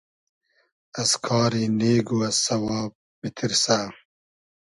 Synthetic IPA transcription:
ɐskʰɑːɾineːɡuɐsɐwaːb̚ | bit̪ʰiɾsaː

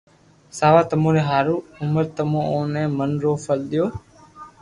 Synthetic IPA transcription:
saːʋaːt̪əmõːɾẽːɦaːɾuːʊməɾt̪əmõːoːnẽːmənɾoːfəlɗ̪ɪjoː

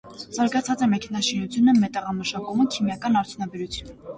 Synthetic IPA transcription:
z̥ɑɾɡɑt͡sʰɑt͡sɛmɛkʰɛnɑʃinut͡sʰjunəmɛt̪ɑʁɑməʃɑkuməkʰimjɑkɑnɑɾt̪ʰjunɑbɛɾut͡sʰjunə

